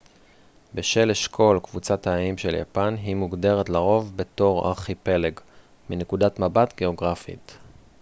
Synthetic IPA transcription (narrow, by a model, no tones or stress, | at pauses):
beʃe̞leʃkʰo̞lkvut͡sathaːimʃe̞lja̰panɦimuɡde̞ʁetlaʁo̞vbe̞to̞ʁa̰χipe̞leɡ | minekudatmabatɡe̞o̞ɡʁafḭt